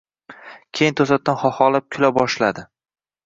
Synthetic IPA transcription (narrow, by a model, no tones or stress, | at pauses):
kʲʰejɪnt̪ʰosat̪̚ːanχɒχɒlap̚kʲʰʊlabɒʃlad̪ɪ